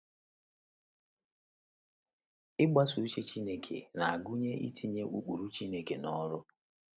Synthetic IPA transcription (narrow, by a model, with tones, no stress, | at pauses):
ɪ˦ɡ͡ba˦su˨˦t͡ʃe˦t͡ʃi˦ne˦kʰḛ˨na˨a˨ɡu˦ɲe˦ʔḭ˦ti˨ɲe˦ʔu˦k͡pu˨ɾu˦t͡ʃi˦ne˦ke˨nɔ˦ɾʊ˦